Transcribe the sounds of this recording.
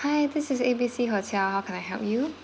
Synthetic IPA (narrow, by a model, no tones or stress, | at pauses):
haɪd̪ɪsɪsebisiɦɔt͡ʃʰahaʊkʰɛ̃naɪɦɛ̰lˠp̚ju